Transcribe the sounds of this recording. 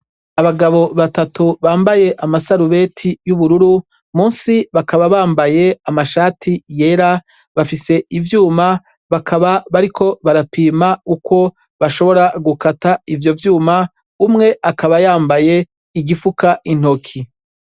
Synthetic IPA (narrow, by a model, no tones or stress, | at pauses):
aβaɡaβo̞βatatuβaːmbaje̞ʔamasaɾuβe̞tʰijuβuɾuɾu | mũːnsiβakaβaβaːmbaje̞amaʃaːtʰijeːɾa | βafise̞ʔivjuːma | βakʰaβaβaɾikʰo̞βaɾapiːmauko̞ | βaʃo̞βo̞ɾaɡukataivjo̞vjuːma | umŋe̞ʔakaβajaːmbaje̞ | iɡifukaʔin̥o̞kʰi